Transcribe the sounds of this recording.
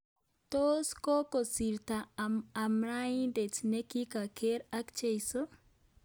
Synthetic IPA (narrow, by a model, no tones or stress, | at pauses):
t̪oskokosiɾt̪aamɾaindet͡snekikakʰeɾakt͡ʃejso